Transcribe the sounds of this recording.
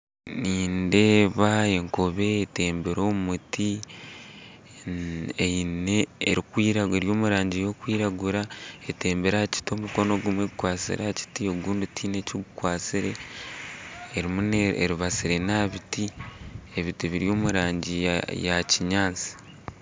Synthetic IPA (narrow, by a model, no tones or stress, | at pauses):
niːnde̞ːβae̞ŋkoβe̞ːte̞ːmbeɾo̞ːumuti | eneːɾikwiːɾaeɾjo̞ːmuɾaːɲɟijo̞kwiːɾaɡuɾae̞te̞ːmbeɾaci̥to̞ːmuko̞no̞ɡumweɡukwaːsḭɾaci̥tio̞ɡuːndutʰiːne̞coɡukwaːt͡siɾe̞ | ɾimuneḛɾiβasiɾe̞naβitie̞βitiβiɾjo̞ːmuɾaːɲɟijaciɲaːt͡si̥